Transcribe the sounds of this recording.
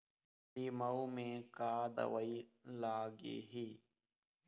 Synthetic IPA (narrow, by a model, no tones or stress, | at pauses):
tiːməumẽːkaːd̪ə̰ʋəiːlaːɡḭːɦiː